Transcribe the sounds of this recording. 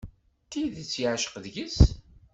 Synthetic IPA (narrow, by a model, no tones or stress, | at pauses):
t̪iðət͡sːjʕʃə̥qðʝəs